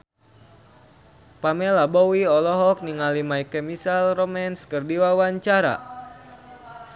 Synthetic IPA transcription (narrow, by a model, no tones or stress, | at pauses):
pamɛlabɔwiɔlɔɦɔk̚niŋalimaikɛmisalrɔmɛnskɨrdiwawaɲt͡ʃaɾa̰